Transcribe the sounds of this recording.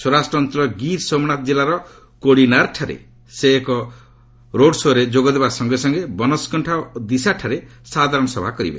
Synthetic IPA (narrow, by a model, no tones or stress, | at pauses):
sɔɾasʈɾɔnt̪ɾɔɡiɾsomnat̪ɔd͡ʒilaɾɔ | koɽinaɾʈʰaɾḛ | seːkɔ | ɾoɖsoɾed͡ʒoɡɔd̪ebasɔŋɡesɔŋɡebɔnɔskɔɳʈʰad̪isaʈʰaɾesad̪ʱaɾɔɳɔsɔbʱakɔɾḭbḛ